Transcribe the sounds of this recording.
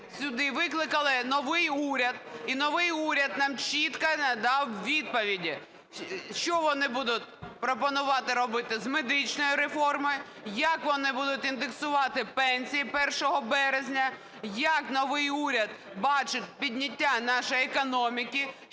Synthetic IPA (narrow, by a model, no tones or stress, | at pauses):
sʲʊd̪ɪʋɪklˠɪkɐlˠɪnɔʋɪjuɾʲɐd̪̚inɔʋɪjuɾʲɐd̪̚nɑmt͡ʃʲit̪kɐnd̪ɑwʋʲid̪̚pɔʋʲidʲi | ʃt͡ʃɔʋɔnɪbud̪ʊt̚ʲpɾɔpɔnʊʋɑt̪ɪɾɔbɪt̪ɪzmed̪ɪt͡ʃnɔjʊɾefɔrmɔjʊ | jɐkʋɔnɪbud̪ʊtʲind̪eksʊʋɑt̪ɪpɛnʲsʲijipɛrʃɔɦɔbɛɾezʲnʲɐ | jɐknɔʋɪjuɾʲɐd̪̚ | bɑt͡ʃɪt̪ʲpʲidʲnʲɪtʲːanɑʃɔjekɔnɔmʲikʲi